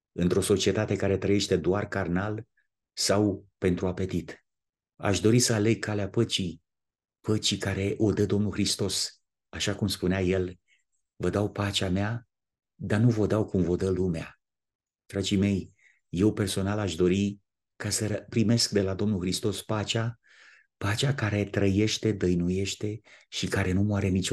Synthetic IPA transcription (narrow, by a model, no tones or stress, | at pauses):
ɨnt̪ɾo̞so̞t͡ʃie̞t̪at̪e̞kaɾe̞t̪ɾəjeʃt̪e̞d̪oarkarnal | sawpe̞nt̪ɾuape̞t̪it̪ | a̰ʃd̪o̞ɾisəale̞ɡ̚kʰːaleapət͡ʃi | pət͡ʃikaɾe̞ʔo̞d̪əd̪o̞mnulxɾist̪o̞s | aʃakumspuneaje̞l | vəd̪awpat͡ʃamea | d̪anuvo̞d̪awkumvo̞d̪əlumea | d̪̥ɾad͡ʒime̞j | je̞wpe̞rso̞nalaʃd̪o̞ɾi | kasəpɾime̞skd̪e̞lad̪o̞mnulxɾist̪o̞spat͡ʃa | pat͡ʃakaɾe̞t̪ɾəje̞ʃt̪e̞d̪əjnuje̞ʃt̪e̞ʃikaɾe̞numaɾe̞nit͡ʃ